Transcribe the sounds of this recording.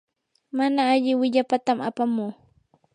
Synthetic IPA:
manaːʎɪwɪʎapat̪amapamuː

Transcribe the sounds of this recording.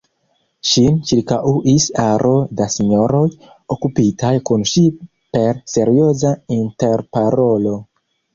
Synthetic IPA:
ʃint͡ʃiɾkaʔuʔisaɾʔo̞dasiɲo̞ɾo̞j | okupitajkunʃi | pe̞ɾse̞ɾio̞zainte̞ɾpaɾo̞lo̞

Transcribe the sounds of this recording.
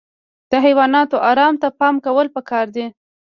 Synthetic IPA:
d̪̥əɦajwɑnɑt̪oʔɑɾɑmt̪apɑmkawəlpəkɑɾd̪i

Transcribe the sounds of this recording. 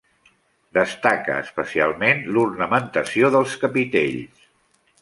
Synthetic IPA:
d̪əst̪akə̰ːspəsia̰lˠmenlurnəmənt̪əsjoðəlˠskəpit̪ḛʎs

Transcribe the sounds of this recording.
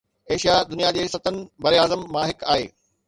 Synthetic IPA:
eːʃijad̪ʊnijad͡ʑeːsɐt̪ənɪ̆bɐɾiaːzəmːãɦɪkaːɦḛː

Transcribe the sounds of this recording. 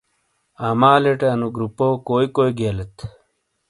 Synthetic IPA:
aːmaːleʈeɐnuɡɾupoːkoːjikoːjɡeːlet̪

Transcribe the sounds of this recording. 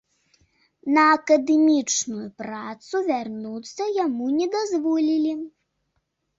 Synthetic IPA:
nɐːkɐd̪ɛmʲit͡ʂnujupɾat̪suvʲarnut̪sːɐjamunʲɛd̪azvɔlʲilʲi

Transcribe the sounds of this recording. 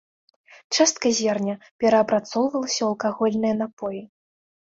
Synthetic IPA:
t͡ʂast̪̚kɐzʲɛrnʲɐ | pʲɛɾɐːpɾat̪sɔwvɐlˠɐsʲɐwɐlˠkaɣɔlʲnɨjɐn̪apɔji

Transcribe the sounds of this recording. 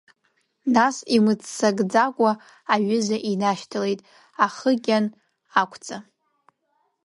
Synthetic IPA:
nasimɨt͡sːaɡʼd͡zakʷʼaː | ɥɪzaʔinaʃtʰɨle̞jtʼ | aχəɡʲan | akʷʰt͡sʼa

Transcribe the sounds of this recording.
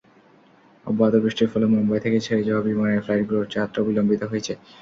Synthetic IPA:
ɔ̰bad̪obɾiʃʈiɾfɔlomɔmbɔet̪ʰeket͡ɕʰeed͡ʑɔɦobibanaeflajʈɡɾoɖt͡ɕaat̪ːɾoobilombit̪oɦojet͡ɕʰe

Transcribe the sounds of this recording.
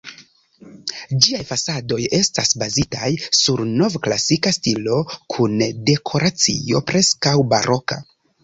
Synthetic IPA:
d͡ʒiajfasado̞je̞stasbazitajsuɾno̞vklasikastilo̞kʰunde̞kʰo̞ɾat͡sḭo̞pɾe̞skawba̰ɾʔo̞ka̰

